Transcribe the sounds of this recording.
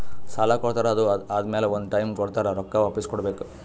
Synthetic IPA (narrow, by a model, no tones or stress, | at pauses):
saːlakɔɽt̪aːɾɐɐd̪uaːd̪ɐmeːleond̪uʈɐjmkɔɽt̪aːɾeɾɔkːɐʋaːpiskɔɽbeːku̥